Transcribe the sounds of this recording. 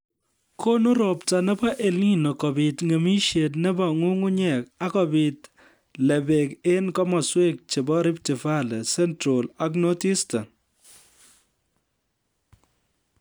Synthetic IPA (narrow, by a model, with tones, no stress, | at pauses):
kʰo˦nu˦ɾɔ˨pta˨nɛ˦ba˦ʔe˨li˦nɔ˨kɔ˨bi˨tŋe˨mi˦ʃe˨tnɛ˦ba˨ŋu˦ŋu˦ɲɛ˨ka˦kɔ˨bi˨t | lɛ˨be˨ke˦nkɔ˦mɔ˨swe˦k̚t͡ʃe˨bɔ˦ɾɪ˦p̚tɪ˨fa˦lɛ˨sɛ˦ntɾo˨la˨k̬no˦ti˦sta˨